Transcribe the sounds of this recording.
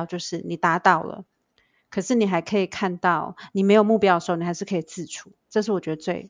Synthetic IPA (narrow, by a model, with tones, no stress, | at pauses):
ʊt͡ɕjo˥˧ʊʂɻ̩˥˩ni˨˩t̪a˧˥t̪ɑ˥˩ʊlə̰˩ | kʰɤ˨˩ʂɻ̩˥˩ni˨˩xa˧˥ɪkʰɤ˧˥i˨˩kʰa˥˧nt̪ɑ˥˩ʊni˨˩me˧˥jo˨˩mu˥˧pj̪ə˩˧˥ni˨˩a˧˥ɪʂɻ̩˥˩kʰɤ˧˥i˨˩t͡sɹ̩˥˩ʈ͡ʂʰu˨˦ʈ͡ʂɤ˥˧ʂ̬ɻ̩˥˩wɔ˨˩t͡ɕɥɛ˧˥ə˧t͡swe˥˩ɪ